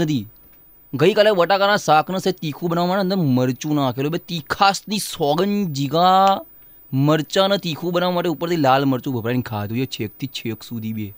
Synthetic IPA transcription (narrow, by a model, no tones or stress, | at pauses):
əd̪iː | ɡəiːkəlẽːʋəʈaːkanãːsaːkʰnəseːt̪iːkʰuːbənaːmaːnənd̪əməɾt͡ʃuːnãːkeːloːbeːt̪iːkʰaːsniːsɔːɡənd͡ʒiɡaː | məɾt͡ʃãːnət̪iːkʰuːbənaːʋːmaːʈeːʊpːəɾt̪iːlaːlməɾt͡ʃuːbʱəbɾaːnikʰaːd̪uːd͡ʒet͡ʃʰeːk̚t̪ʰiːt͡ʃʰeːksuːd̪iːbieː